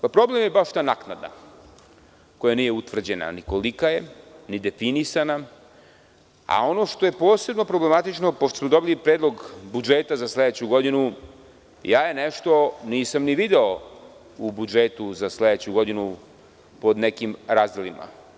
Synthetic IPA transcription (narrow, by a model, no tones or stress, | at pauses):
papɾo̞blemje̞baʃt̪anaknad̪na̰ | ko̞janiːjeut̪ʋr̩d͡ʑena̰nikolikaje̞nid̪e̞finisana | a̰o̞no̞ʃt̪o̞jepo̞ːse̞bno̞pɾoble̞mat̪it͡ʃno̞poʃt̪osmod̪o̞bilipɾed̪lˠoɡbud͡ʒet̪azasled̪et͡ɕuɡo̞d̪inu | jaːje̞neʃt̪o̞niːsamniʋid̪eo | ubud͡ʒet̪uzasled̪et͡ɕuɡo̞d̪inu | po̞d̪nekimɾazd̪elima̰